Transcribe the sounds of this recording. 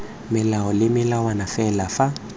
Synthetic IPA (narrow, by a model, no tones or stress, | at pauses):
mɪlaɔlɪmɪlawanafɛlafa